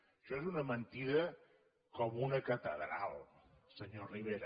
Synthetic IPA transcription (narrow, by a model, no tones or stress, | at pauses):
ʃɔezunəmənt̪iðə | kɔmunəkət̪əðɾa̰lˠsəɲoriβeɾ